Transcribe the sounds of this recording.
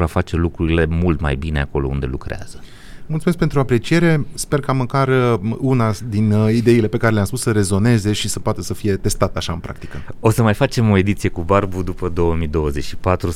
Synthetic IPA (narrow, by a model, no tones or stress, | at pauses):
oafat͡ʃe̞lukɾuɾile̞mult̪ma̰jbine̞a̰ko̞loṵnd̪e̞̰lukɾea̰z̥ə | mult̪sumeskpe̞nt̪ɾuoapɾe̞t͡ʃije̞ɾe̞spe̞rkaməkarunad̪inid̪e̞ile̞pe̞kaɾe̞leamspusəɾe̞zo̞ne̞ze̞ʃisəpoat̪əsəfije̞t̪e̞st̪at̪əaʃaɨnpɾa̰kt̪ikəo̞səmajfat͡ʃe̞mo̞e̞d̪it̪sije̞kubarbud̪upəd̪o̞wəmid̪o̞wəze̞t͡ʃʃi̥pat̪ɾu